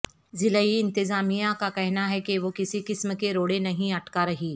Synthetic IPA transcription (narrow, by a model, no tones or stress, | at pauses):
zɪləiɪ̃nt̪ɪzaːmijakakɛɦnaɦɛkeʋoːkɪsikɪsmkeɾoːɽenɐɦĩɐʈkaɾɐɦiː